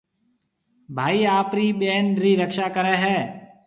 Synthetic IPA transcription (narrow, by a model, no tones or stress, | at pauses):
bʱaːiːaːpɾiːɓeːnɾiːɾəkʃaːkəɾɛ̃ːɦɛː